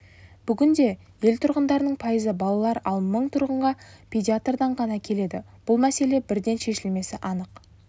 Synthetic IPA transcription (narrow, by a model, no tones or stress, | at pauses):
b̥ʏɡʲɪnd̪e̞ | je̞lt̪ʰʊɾʁənd̪ɑɾənəɴpʰɑjəzəbɑlˠɑlˠɑɾɑlˠməɴt̪ʰʊɾʁəɴʁɑpʲʰedʲiat̪rd̪ɑɴʁɑnɑkʲʰe̞le̞d̪ɪ | b̥ʊlˠmæse̞le̞bɪɾd̪e̞nʃe̞ʃɪlme̞sɪʔɑnəq